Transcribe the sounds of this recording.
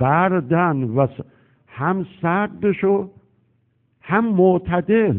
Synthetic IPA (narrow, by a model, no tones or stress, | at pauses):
bæɾd̪ænvæs | hæmsæɾd̪eʃo | hæmːoʔt̪ʰæd̪el